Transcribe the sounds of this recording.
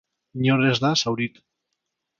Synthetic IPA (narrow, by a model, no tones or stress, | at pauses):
ɲorezðasawɾit̪